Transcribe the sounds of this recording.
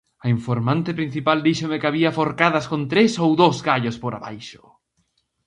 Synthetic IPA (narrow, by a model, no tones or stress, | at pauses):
ɐiɱfoɾmãnt̪ɪpɾin̟θipald̪iʃomekaβiafoɾkaðaskõnt̪ɾesowðozɣaʎospoɾaβa̰jʃo̥